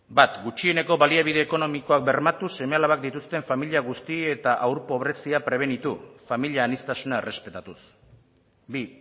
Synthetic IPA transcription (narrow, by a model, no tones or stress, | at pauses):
bat̪ɡut͡ʃiene̞ko̞βaliaβ̞iðe̞ːko̞no̞miko̞ak̚be̞ɾmat̪use̞me̞alaβak̚d̪it̪ust̪e̞ɱfamiliaɣust̪iet̪aʔawɾpo̞βɾe̞siapɾe̞β̞e̞nit̪ufamiliaːnist̪asunae̞re̞spe̞t̪at̪us | bi